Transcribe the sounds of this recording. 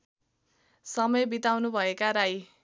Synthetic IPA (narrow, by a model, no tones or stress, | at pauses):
sʌmʌjbit̪awnubʱʌekaɾaj